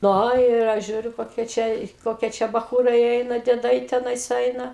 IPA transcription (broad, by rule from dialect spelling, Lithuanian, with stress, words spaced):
ˈnoː ɪr ˈɐʃ ˈʒʲuːrʲʊ koːˈkʲiɛ ˈt͡ʃʲɛ ˈkoːkʲiɛ ˈt͡ʃʲɛ bɐˈxuːrɐɪ ˈɛɪnɐ dʲiɛˈdɐɪ tʲɛˈnɐɪs ˈɛɪnɐ